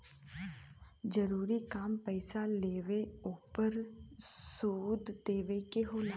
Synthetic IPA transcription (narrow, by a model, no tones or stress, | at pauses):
d͡ʒəɾuːɾikaːmpəɪsaleːʋeuːpəɾsuːd̪d̪eːʋekeɦoːla